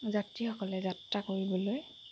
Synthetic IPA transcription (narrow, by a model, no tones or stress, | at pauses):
zatɹixɔkɔlɛzatɹakoɹibɔloj